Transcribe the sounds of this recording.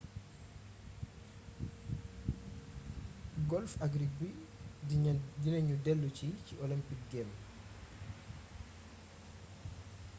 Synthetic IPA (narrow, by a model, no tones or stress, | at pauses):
ɡɔlfɐɡɾibi | dinɐɲudɛlːuciciʔɔlimpik̚ɡɛm